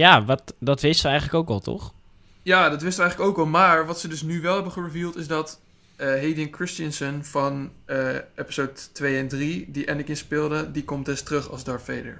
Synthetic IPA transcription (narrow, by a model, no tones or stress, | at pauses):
jaːʋɑtdɑtʋɪstʋəɛjχənləkowkɑlˠtɔ̰χ | jaːdɑtʋɪstəʋəɛjχləkowkɑlˠmaːɹʋɑtsədɵsnyʋɛlˠɦɛbəχəɹəvilˠtɪsdɑtː | ɦejdɪnkɹɪstənsənvɑnəɛpi̥sowttʋejɛndridiʔɛndɪkɪ̃nspɪlˠdədikɔmtɛstrɵχɑ̰zdɑɹfejdə̰ɹ